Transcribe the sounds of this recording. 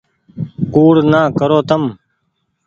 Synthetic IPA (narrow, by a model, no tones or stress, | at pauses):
kuːɽnaːkəɾoːt̪əm